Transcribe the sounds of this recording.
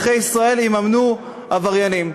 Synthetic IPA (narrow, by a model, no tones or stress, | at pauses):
χejisʁae̞limamnu | avaʁjanim